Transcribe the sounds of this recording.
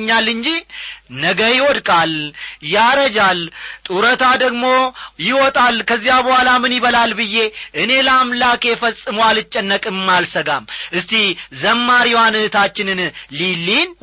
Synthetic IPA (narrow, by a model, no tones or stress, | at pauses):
ɲːalːɨɲd͡ʒinəɡəjɪwɔd̪kʼaljaɾəd͡ʒalt̪ʼuɾət̪ʰad̪əɡmo̞jɪwɔt̪ʼalkʰəzːijabəhʷwʷalamɨnjɪβəlalbɨjːe̞ʔɨne̞lamlakefəsʼːɨmwalɨt͡ʃʼːɛnːəkʼɨmːalsəɡa̰mʔɨst̪ʰizəmːaɾiwanɨhɨt̪ʰat͡ʃːɪnɨnlilːin